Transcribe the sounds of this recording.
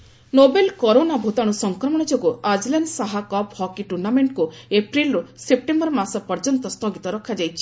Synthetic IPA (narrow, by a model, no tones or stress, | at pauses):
nobelkɔɾonabʱut̪aɽ̃usɔŋkɾɔmɔɽ̃ɔd͡ʒoɡuad͡ʒlansaɦakɔphɔkiʈuɾnameɳʈkuepɾilɾusep̚ʈembɔɾmasɔpɔɾd͡ʒɔnt̪ɔst̪ʰɔɡit̪ɔɾɔkʰːad͡ʒajt͡ʃʰi̥